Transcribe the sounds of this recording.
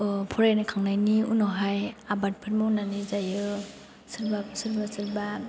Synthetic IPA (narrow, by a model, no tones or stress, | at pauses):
pʰɔɾajnikʰaŋnajniṵnɔɦajabat̚pʰɯt̚munanizajɯ | sɯɾbasɯɾbasɯɾba